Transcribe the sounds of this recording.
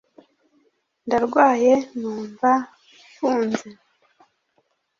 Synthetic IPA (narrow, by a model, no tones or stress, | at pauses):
ndaɾɡwaːje̞nuːɱva | fuːnze